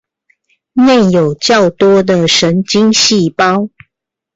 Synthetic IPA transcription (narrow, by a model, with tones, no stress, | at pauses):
ne˥˩njo˨˩ʊt͡ɕjɑ˥˨˩ʊt̪wɔ˥d̪ə˨ʂə˨˦˥nt͡ɕi˦ŋɕi˥˨pɑ˦ʊ